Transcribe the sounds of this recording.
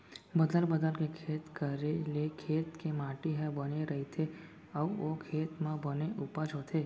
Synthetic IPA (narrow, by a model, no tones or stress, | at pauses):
bəd̪əlbəd̪əlkekʰeːt̪kəɾelekʰeːt̪kemãːʈiɦɛbəneɾɐɦit̪ʰe | əokʰeːt̪mãbəneʔupəd͡ʒɦoːt̪ʰeː